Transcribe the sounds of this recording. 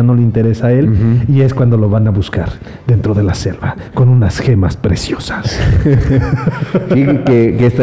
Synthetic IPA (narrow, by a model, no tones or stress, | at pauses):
no̞leint̪e̞ɾe̞saae̞lie̞skwand̪o̞lo̞βanaβuska̰ɾ | ðe̞nt̪ɾo̞ðe̞lase̞̰lβako̞nunasxe̞ma̰spɾesjo̞sḁs | kkekest̪a